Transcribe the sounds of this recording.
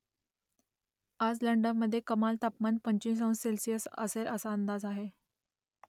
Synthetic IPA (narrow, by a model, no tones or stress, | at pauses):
ad͡zləɳɖəʋməd̪ʱːjekəmalt̪apmanpəɲt͡ɕĩs̬ə̃w̃selsijəsə̰seɾʔəsaənd̪ad͡zaɦe